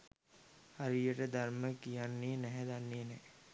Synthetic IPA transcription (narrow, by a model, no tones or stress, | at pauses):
hɐɾijəʈəd̪ʱɐɾməkijanːienɛɦed̪ɐnːienɛ